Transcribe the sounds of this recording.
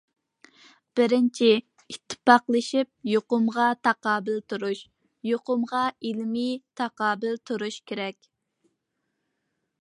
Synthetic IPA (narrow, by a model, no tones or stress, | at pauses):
b̥ɪɾɪnt͡ʃʰi | it̪ʰːɪ̥pɑqlˠɨʃip̚joqʊmʁɑt̪ʰɑqɑːbɪlt̪uɾuʃ | joqʊmʁɑilmit̪ʰɑqɑːbɪlt̪ʰuɾuʃkʲʰeɾɛkʲ